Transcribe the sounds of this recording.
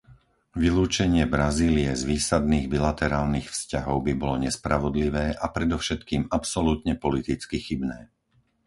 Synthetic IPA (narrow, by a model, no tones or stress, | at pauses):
ʋiluːt͡ʃɛɲɪɛbɾaziːliɛzʋiːsad̪niːɣbilat̪ɛɾaːlnixfscaɦɔʊbibɔlɔɲɛspɾaʋɔd̪liʋɛːʔapɾɛd̪ɔʊʃɛt̪kiːmapsɔlut̪ɲɛpɔlit̪it͡skixibnɛː